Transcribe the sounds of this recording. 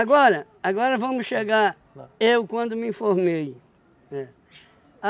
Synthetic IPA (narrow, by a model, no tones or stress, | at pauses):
ɡɔɾɐ | aɡɔɾɐvɐ̃mʊsʃeɡaɾ | ewkwɐ̃nd̪ʊmɪĩfoɾmej | ɛ | a